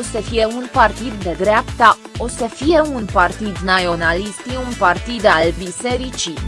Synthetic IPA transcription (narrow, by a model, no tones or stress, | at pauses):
osəfije̞unpart̪id̪ːe̞d̪ɾeapt̪ao̞səfije̞unpart̪id̪naonalist̪iunpart̪id̪albise̞ɾit͡ʃi